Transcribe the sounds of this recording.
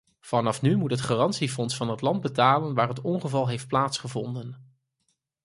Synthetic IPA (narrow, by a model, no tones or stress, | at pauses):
v̥ɑnɑfnymutɦətχaːrɑntsifɔnsfɑnɦətlɑnd̚bətaːlənʋaːɹɦətɔnχəvɑlˠɦejft̚plaːtsχəvɔndən